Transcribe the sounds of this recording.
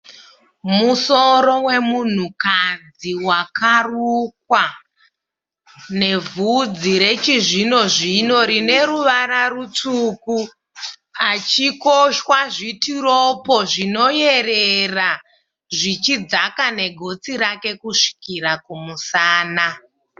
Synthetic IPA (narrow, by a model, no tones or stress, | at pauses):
muso̞ɾo̞we̞mun̤ukad͡ziwakaruk̚wa | ne̞vud͡ziɾe̞t͡ʃiʐino̞ʐino̞ɾine̞ɾuʋaɾarut͡suku | at͡ʃiko̞ʃwaʐitiɾopo̞ʐino̞je̞rera | ʐit͡ʃid͡zakane̞ɡʱo̞t͡siɾake̞kuʂi̥kiɾakumusaːna